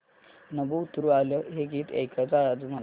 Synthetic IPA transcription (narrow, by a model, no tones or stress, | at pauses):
nəbuːt̪ɾuːaləɦeɡiːt̪ḛkʰat͡saɾad͡zm̤əl